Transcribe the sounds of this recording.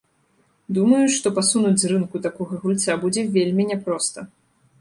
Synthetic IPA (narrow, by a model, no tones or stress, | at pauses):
d̪umɐjuʂt̪ɔpasunud͡zʲzrɨnkut̪akɔɣɐɣulʲt͡sʲabud͡zʲɛvʲelʲmʲinʲɛpɾɔst̪ɐ